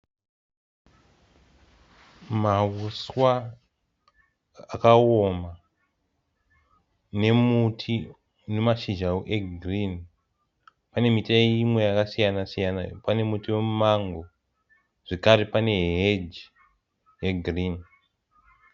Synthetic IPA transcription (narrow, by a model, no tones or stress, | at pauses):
mawuswa | kaoma | ne̞mutʰi | nemaʃiʒauʔeɡrin | pane̞mitaimwe̞jakasijanasijana̰pane̞mutiwe̞mumaŋɡo̞ | ʐ̥ekaɾepane̞ɦed͡ʒ | jeɡrin